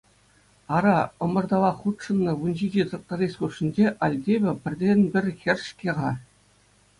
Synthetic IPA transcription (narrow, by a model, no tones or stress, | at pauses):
ɑɾɑɤ̆mɤ̆rd̪ɑʋɑχut̪ʂɤ̆nːɤ̆ʋunʲʑid͡ʑit̪ɤ̆k̚t̪ɑɾʲesʲχuʂːĭnʲd͡ʑeʔɑlʲdʲebʲɘ̆pʲɘ̆rʲdʲenʲbʲɘ̆rʲxʲĕrʲʂkʲeʁɑ